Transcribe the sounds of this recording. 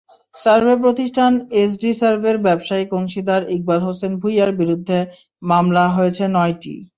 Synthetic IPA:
saɾbʱep̬ɾot̪iʃʈʰanesɖisaɾbʱeɾbɛbʃaikoŋʃid̪aɾik̚balɦosenbʱujaɾbiɾud̪ʱːe | mamlaɦojet͡ɕʰenɔjʈḭ

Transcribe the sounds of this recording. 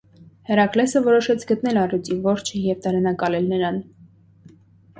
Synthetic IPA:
hɛrɑklɛsəvɔɾɔʃɛt͡sʰɡət̪nɛlɑrut͡sivɔɾt͡ʃʰəjɛvt̪ɑɾɛnɑkɑlɛlnəɾɑn

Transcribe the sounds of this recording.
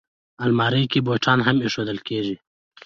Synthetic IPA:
almɑːɾikiboːʈʰɑːnɦɐmiʂod̪əlkeːʐi

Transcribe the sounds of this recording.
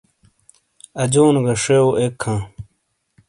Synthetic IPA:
ɐd͡ʑoːnɡɐʂeoekʰːãː

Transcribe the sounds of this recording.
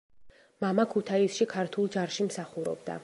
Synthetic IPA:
mamakʰut̪ʰaisʃikʰaɾt̪ʰulˠd͡ʒaɾʃimsaχuɾɔ̰b̚d̪a̰

